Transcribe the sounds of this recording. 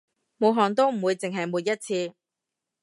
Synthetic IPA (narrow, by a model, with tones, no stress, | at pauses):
mo˨˧wɦɔː˨˩ŋt̪̬o˥wm̩˨˩wuː˨˧jt͡sɪ˨ŋɦɐ˨jmuː˨t̚jɐ˥t̚t͡sʰiː˧